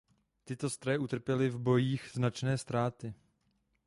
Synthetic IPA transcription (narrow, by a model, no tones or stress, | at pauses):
t̪ɪt̪o̞st̪ɾojɛʔut̪r̩pjɛlɪvbo̞jiːxznat͡ʃnɛːst̪ɾaːt̪ɪ